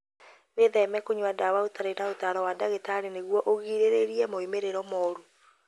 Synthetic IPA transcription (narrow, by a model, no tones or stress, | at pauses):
ɣeðɛmɛkoɲwadawaotaɾeɾaotaːɾɔwadaɣetaɾeneɣwɔʔoɣiːɾeɾeɾiɛmoimeɾeɾɔmɔɾu